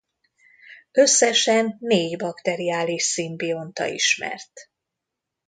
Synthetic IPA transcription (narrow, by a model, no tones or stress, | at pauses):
ø̞sːɛʃɛnːeːɟbɒkt̪ɛɾiaːliʃsimbio̞nt̪ɒ̰ḭʃmɛ̰rt̪